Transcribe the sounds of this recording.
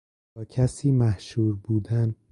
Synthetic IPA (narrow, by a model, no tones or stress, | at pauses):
ɒːcʰæsiːmæhʃuːɾbuːd̪æn